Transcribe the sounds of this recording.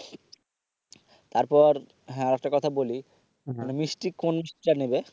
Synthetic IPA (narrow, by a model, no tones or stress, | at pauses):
t̪aɾpɔɾ̃ | aɾɛk̚ʈakɔt̪ʰaboli | nemisʈikonmiʃʈiʈanebe